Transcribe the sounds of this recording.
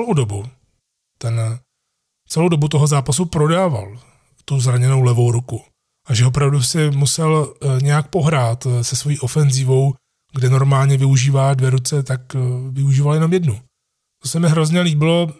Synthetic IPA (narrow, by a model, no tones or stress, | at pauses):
lowdobu | t̪ɛn | t͡sɛlowdo̞but̪o̞ɦozaːpasupɾo̞daːva̰l | t̪uzɾaɲɛno̞wlɛvo̞wɾuku | ʔaʒɛopɾavdusɪmusɛlɲɛjak̚po̞ɦɾaːt̪sɛsvo̞jiːʔo̞fɛnzɪvo̞w | ɡdɛno̞ɾmaːlɲɛvɪuʒiːvaːdvjɛɾut͡sɛt̪akvɪuʒiːvaljɛno̞mjɛdnu | t̪o̞sɛmɪɦɾo̞zɲɛliːbɪlo̞